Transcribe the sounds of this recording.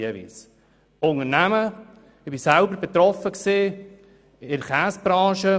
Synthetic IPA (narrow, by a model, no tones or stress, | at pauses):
əvḭːs | ʊŋənæmə | ɪb̥isælbəɾbɛt̪ɾɔfəksiː | ɪnχæːsb̥ɾɑ̃ːʃə